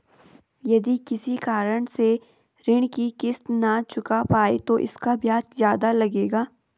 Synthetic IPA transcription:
jɐd̪ikɪsikaːɾəɽ̃se | ɾɪɽ̃kikɪst̪nat͡ʃʊkapaːḛt̪oʔɪ̰skabjaːt͡ʃzjaːd̪alɐɡeːɡaː

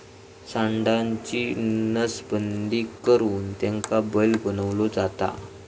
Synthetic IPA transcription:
saɳɖaɲt͡ɕinəsbənd̪ikəɾuːnt̪jãŋkabəjlɡənəʋlod͡zat̪a̰

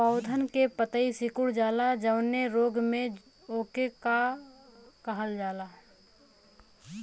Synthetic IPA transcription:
paʊd̪ʱənkepət̪əisɪkʊɽd͡ʒaːlad͡ʒəʊneɾoːɡmẽ | oːkeka | kɐɦəld͡ʒaːlaː

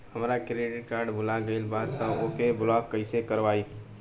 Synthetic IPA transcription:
həmɾakɾeɖɪʈ̚kaːɾɖbʊlaɡəɪlbad̪t̪ːɔokeblɔkːəɪsekəɾʋai

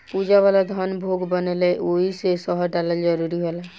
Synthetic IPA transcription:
pud͡ʒawalad̪ʱɔnbʱoɡbəneleʔoɦisesɔɦɔʈaləld͡ʒəɾuɾiɦolɛ

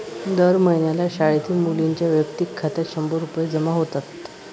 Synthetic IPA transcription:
d̪əɾməjnjalaɕaɭit̪ʰiːmuliɲt͡ɕjaʋjəkt̪ikʰːat̪jat̪ɕəmboɾuped͡zəmaɦot̪at̪

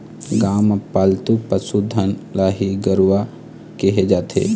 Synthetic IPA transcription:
ɡaːmpaːlt̪upəsud̪ʱənlaːɦiɡəɾuʋa | kiɦed͡ʒaːt̪ʰḛː

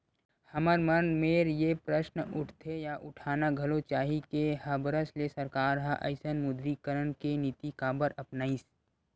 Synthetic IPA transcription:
hɐməɾmənmeːɾjepɾəʃnʊʈʰt̪ʰejaʔʊʈʰaːnaɡʱɐlot͡ʃaːɦikeɦɐbɾəslesɐɾkaːɾɦɐʔɐ̰ɪsənmʊd̪ɾikəɾənkenɪt̪ikaːbəɾɐpnaːis

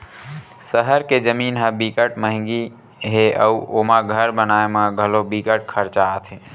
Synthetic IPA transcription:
səɦəɾked͡ʒəminɦəbikəʈməɦŋɡi | ɦeəuʔomaɡʱəɾbənaemeɡʱəlobikəʈkʰəɾt͡ʃat̪ʰɦe

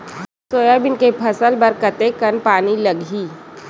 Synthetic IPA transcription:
soːjabɪnkepʰɐsəlbəɾkət̪ekənpaːniləɡiː

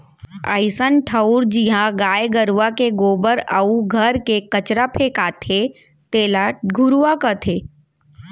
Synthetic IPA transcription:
a̰ɪsənʈʰəuɾd͡ʒiɦãɡaːjɡəɾʋakeɡoːbəɾə̰uɡʱəɾkekɐt͡ʃɾapʰeːkaːt̪ʰe | t̪eːlaʈɡʱʊɾuakət̪ʰeː

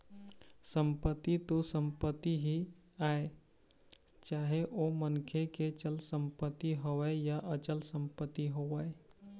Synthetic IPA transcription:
səmpət̪ːit̪osəmpət̪ːiɦi | aːe | t͡ʃaːɦeʔomənkʰeket͡ʃəlsəmpət̪ːiɦoejaʔət͡ʃəlsə̃mpət̪ːiɦoʋae

